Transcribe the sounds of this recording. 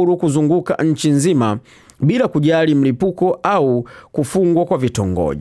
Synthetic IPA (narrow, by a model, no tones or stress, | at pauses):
lukuzuŋɡuka̰ʔɲ̩t͡ʃinzima | bilakuɟalim̩lipukɔaukufuŋɡwakwavitɔ̰ŋɡɔ̰